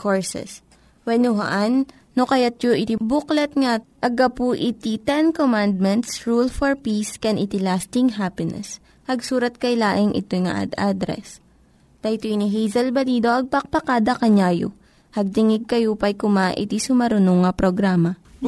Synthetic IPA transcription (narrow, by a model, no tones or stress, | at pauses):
koɹsɛ̰s | wɛnʊɦa̰ʔanː | okɐjat̪̚joʔɪt̪ibʊklɐt̪̚ŋaʔɐɡapuʔɪt̪it̪ɛnkomand̪̚mɛnt̪sɹulfoɹpiskɛnʔɪt̪ilast̪ɪŋɦapɪnɛ̰s | hɐɡsuːɾɐt̪̚kɐjlaːʔɪŋʔɪ̰t̪ojŋa̰ʔd̪ʔad̪ɾɛ̰s | d̪ɐt̪oiniɦɛjzɐlbɐliːd̪o̞ʔɐɡ̚pɐk̚pɐkaːd̪ɐkɐɲaːjo̰ | hɐɡ̚t̪ɪŋɪɡ̚kɐjopɐjkʊmaʔɪ̰t̪isʊmɐɾʊnoŋːapɾoɡɾaːmɐ